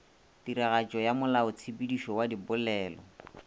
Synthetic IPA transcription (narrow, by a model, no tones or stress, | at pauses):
tiɾaɣat͡ʃʼɔjamʊlaʊt͡sʰipidiʃɔwadibʊlɛːlɔ